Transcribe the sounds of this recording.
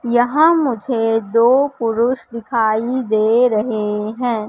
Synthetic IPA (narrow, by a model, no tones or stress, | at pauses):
jɐɦãmʊd͡ʒʱed̪oːpʊɾʊʃd̪ɪkʰaːid̪eːɾɐɦeɦɛ̃ː